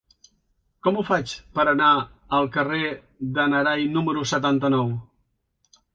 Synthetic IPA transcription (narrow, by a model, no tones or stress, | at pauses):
kɔmufat͡ʃpəɾənaəlˠkəre | ðənəɾajnuməɾusət̪ant̪ənɔw